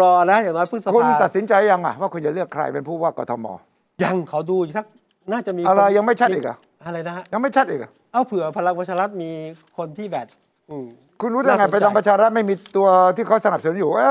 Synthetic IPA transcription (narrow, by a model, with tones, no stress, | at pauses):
ɾɔː˧na˦˥˦jaː˨˩ŋnɔː˦˥jpʰɯ˥˩sa˧kʰu˧ant̪a˨˩t̪̚si˩˦nt͡ɕa˧jja˧ŋʔa̰˨˩waː˥˩kʰu˧nt͡ɕa˨˩lɯ˥˩əkʰːɾa̰˧jpe˧npʰuː˥˩waː˥˩kɔ̰ː˧t̪ʰɔ˧mɔ̰ː˧ | ja˧ŋkʰa˨˦wduː˧˨˩t̪ʰa˦˥k̚ | naː˥˩t͡ɕa˨˩miː˧ʔa˧ɾa˧jːa˧ŋma˥˩jt͡ɕʰa˦˥t̚ʔiː˨˩k̚a̰˨˩ | ʔa˧ɾa˧jna˦˥a˦˥ja˧ŋma˥˩jt͡ɕʰa˦˥t̪̚ʔiː˨˩k̚ʔa˨˩ʔa˦˥˩wpʰɯ˨˩˦əpʰa˧la˧ŋpa˧t͡ɕʰaː˧ɾa˦˥t̪̚miː˧kʰo˧nt̪ʰiː˥˩bɛː˨˩t̪̚ | ʔɯː˨˩ | kʰu˧nɾu˦˥t̪̚ʰa˧ŋa˧˩pa˧jt̪ɔː˧ŋpɾt͡ɕʰaː˧ɾa˦˥t̪̚ma˥˩jmiː˧t̪u˧ɐt̪ʰiː˥˩kʰa˦˥˩sa˧na˨˩psa˧nu˦njuː˨˩ʔa˦˧˩